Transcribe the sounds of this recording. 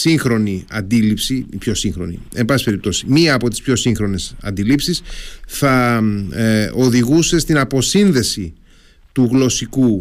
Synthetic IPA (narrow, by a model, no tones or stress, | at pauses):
siŋxɾo̞niɐ̰nd̪ilipsipço̞siŋxɾo̞̰nḭe̞mbɐsipe̞ɾip̚t̪o̞si̥miɐːpo̞t̪ispço̞siŋxɾo̞ne̞sɐ̰nd̪ilipsisθɐ | o̞ðiɣuse̞st̪inɐpo̞sinðe̞si | t̪uɣlo̞siku